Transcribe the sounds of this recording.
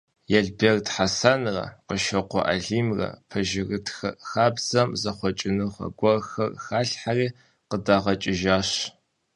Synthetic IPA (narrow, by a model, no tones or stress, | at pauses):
jɛɮbertħasanrɐ̰qəʃɐqʷɔ̰ʔa̰ɮiːmrɐ̰pʰɐʒɪrɨtʰxɐxaːbz̥ɐmzɐχʷɔt͡ʃʼɪnɨχɐ̰ɡʷɔrxɐrxaːɬħariː | qədaːʁɐt͡ʃʼɪʒaːɕ